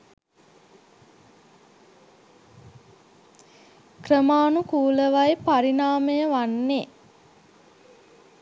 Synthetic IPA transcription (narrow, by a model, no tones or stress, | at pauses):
krəmaːnukuːləʋajpaɾinaːməjəʋanːe